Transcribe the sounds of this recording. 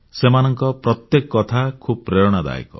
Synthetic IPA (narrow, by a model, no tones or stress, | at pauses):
semanɔŋkɔpɾɔt̪jekɔkɔt̪ʰakʰub̚pɾeɾɔɽ̃ɔd̪a̰ḭkɔ̰